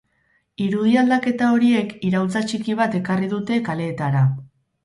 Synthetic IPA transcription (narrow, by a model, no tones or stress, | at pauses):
iɾuðiald̪ake̞t̪ao̞ɾie̞kiɾawlt͡sat͡ʃikiβ̞at̪e̞kariðut̪e̞kale̞ːt̪aɾa